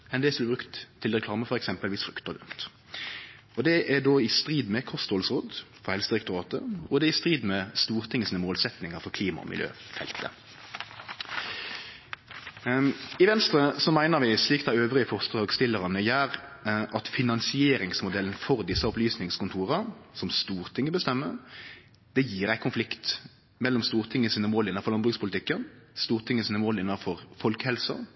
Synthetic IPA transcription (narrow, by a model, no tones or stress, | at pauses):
ɛnd̪ɛːsb̪lbʁɾʉkt̪ʰːɪlʁɛkʰlɑːməfɔɾɛksɛmpəlʋɪsfɾʉkt̪əɡ̪ʉ̰nt̪ | ɔd̪ɛʔæd̪oːɪst̪ʁiːd̪mɛkʰɔst̪ɔːlsʁɔːd̪fɔhɛlst̪əɾɛkt̪ʊʁɑːt̪ə̰ɔd̪ɛɪst̪ɾiːd̪mɛst̪uːʁt̪ʰɪŋəsiːnəmoːlsɛt̪nɪŋəɾfɔʁkʰliːmɑ̰ɔ̰mɪ̰ljø̰ːfɛ̰lt̪ʰə̰ | ɪʋɛnst̪ɾəsɔmæɪnəʁʋɪsliːkt̪æøːʋʁɪəfɔʁskəʁoːɡst̪ɪlːəʁɑnəjæːʁʔɑt̪fɪnɑnsɪeːɾɪŋsmʊd̪ɛlənfɔʁd̪ɪsːəɔplyːsnɪŋskʊnt̪ʰuːʁəsɔmst̪uːʁt̪ʰɪŋːəbəst̪ɛmːə | d̪̥ɛjiːʁæɪkʰʊnflɪkt̪ | mɛlːɔmst̪uːʁt̪ʰɪŋːəsiːnəmoːlɪnːɑfɔlɑnbʁʉkspʰʊlɪt̪ɪkːənst̪uːʁt̪ʰɪŋːəsiːnəmoːlɪnːɑfɔʁfɔlkəhɛlsə̰